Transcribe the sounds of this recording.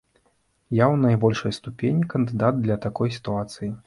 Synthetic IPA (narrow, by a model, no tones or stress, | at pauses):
jawnajbɔlʲʂɐjst̪upʲenʲikɐnd̪ɨd̪ad̪̚d̪lʲɐt̪akɔjsʲi̥t̪uat̪sɨji